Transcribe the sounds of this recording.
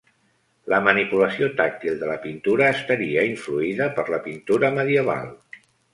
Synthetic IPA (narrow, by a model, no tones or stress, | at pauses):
ləmənipuləsiot̪ak̚t̪ilˠd̪ələpint̪uɾəːst̪əɾiəiɱfluiðəpəɾləpint̪uɾəməðiəβ̞a̰lˠ